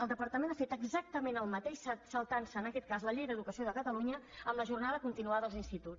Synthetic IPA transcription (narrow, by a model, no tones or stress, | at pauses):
əlˠd̪əpəɾt̪əmenafet̪əɡzak̚t̪əmenəlˠmət̪eʃsəsəlˠt̪ansəːnəkɛt̪̚kazləʎejɾəːðukəsioðəkət̪əluɲəəmləʒurnaðəkunt̪inuaəəlˠzinst̪it̪u